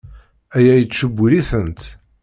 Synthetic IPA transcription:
æjæjət͡sːʃəbʷːliθənt̪

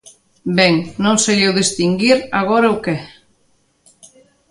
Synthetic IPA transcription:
bɛŋnõŋsejewðist̪iŋɡiɾaɣ̞oɾɐukɛ

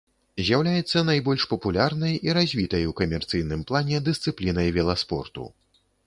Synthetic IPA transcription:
zʲjawlʲajɛt̪sːɐnajbɔlʲʂpɐpulʲarnɐjiɾazʲvʲit̪ɐjukɐmʲɛrt̪sɨjnɨmplˠanʲɛd̪ɨst̪sɨplʲinɐjvʲɛlˠaspɔ̰rt̪ṵ

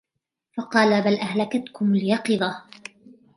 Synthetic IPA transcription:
fɑqɑːlabalʔahlakat̪kʊmlɪjɑqɨðˤɑh

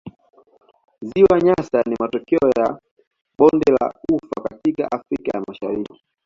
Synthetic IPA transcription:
ziwaɲasanimatɔkɛɔja | ɓɔndɛla̰ufa̰katika̰ʔafɾikajamaʃaɾiki̥

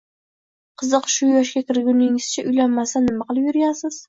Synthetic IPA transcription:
qʰɨzɨqʃʊjɒʃ̬kʲakʲɪɾɡʲʊnɪŋɪz̥t͡ʃʰaʊjlanmasanːɪmaqɨlˠɪpjʊɾɡʲansɪz̥

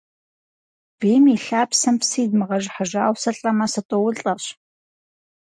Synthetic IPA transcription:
b̥iːmiɬaːpsɐmpsiːdmɨʁɐʒħaʒaːwsɐɬʼɐmɐsɐtʼowʊɮɬʼɐɕ

